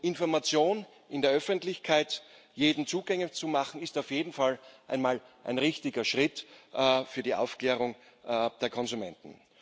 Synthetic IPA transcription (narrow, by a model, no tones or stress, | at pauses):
ʔɪnfɔɐmat͡sjoːn | ɪndeːɐœfəntlɪçkʰaɪt | jeːdn̩t͡suːɡɛŋət͡sumaχn̩ɪstaʊfjeːdn̩falʔa̰ɪnmaːlʔa̰ɪnʁɪçtɪɡɐʃʁ̥ɪtː | fyːɐdiːʔa̰ʊfkleːʁ̞ʊŋ | d̥eːɐkʰɔnzʊmɛ̰ntn̩